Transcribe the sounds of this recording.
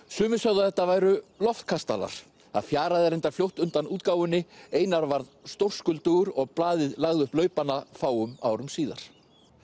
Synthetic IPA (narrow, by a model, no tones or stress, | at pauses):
sʏːmʏsœɣðaðɛht̪ːavaːjɾʏlɔft̪̚kʰast̪a̰la̰ɾ̥ | θa̰ðfjaːɾaðɪɛɾent̪afljowht̪ʏnt̪anuːt̪̚kaːwʏnːɪeːjnaɾvaɾðst̪owr̥skʏlt̪uɾɔɣplaːðɪðlaɣðɪʏhplœɥpanːafaːwʏmaːwɾʏmsiːða̰ɾ̥